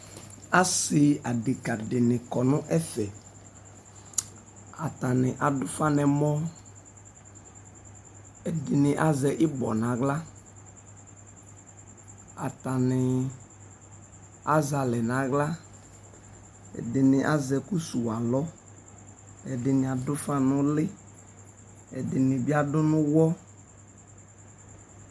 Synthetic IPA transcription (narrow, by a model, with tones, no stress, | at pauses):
a˦sɪ˨a˨dɪ˨ka˨ɖɪ˨nɪ̃˨kɔ˨nʊ̃˦ʔɛ˦fɛ˨ | a˨t̪a˨nɪ̃˨ʔa˨dʊ˦fa˦nɛ˨mɔ̃˦ | ɛ˨dɪ˨nɪ̃˨ʔa˦zɛ˨ʔɪ˦bɔ̰˨nã˨ɡla˦ | a˨ta˨nɪ˨ | a˦za˨lɛ˨nã˨˦ɣla˦ | ɛ̰˨dɪ˨nɪ̃˨ʔa˦zɛ˨ku˦su˨a˨lɔ˦ | ɛ˨dɪ˨nɪ̃˨a˨dʊ˦fa˦nʊ̃˦lɪ˦ | ɛ̰˨dɪ˨nɪ̃˨bɪ˦a˦dʊ˦nʊ̃˦wɔ˦